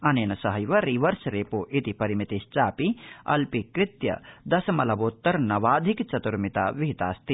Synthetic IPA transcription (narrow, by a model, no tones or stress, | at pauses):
ɐneːnɐsɐɦɐjʋɐɾiʋɐɾsɾeːpuːʔit̪ipɐɾimit̪ist͡ʃaːpiɐ̰lpikɾɪt̪jɐ̰d̪ɐsɐmɐlɐʋot̪ːɐɾnɐʋaːd̪ʱikt͡ʃɐt̪uɾmit̪aːʋiɦit̪aːst̪i